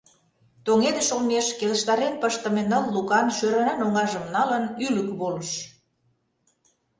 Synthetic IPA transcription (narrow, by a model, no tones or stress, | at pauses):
t̪oŋed̪ə̆ʃolmeʃkeləʃt̪ɑɾenpəʃt̪ə̆menəlːukɑnʃøɾɑnɑnoŋɑʒəmnɑlənyləkβoləʃ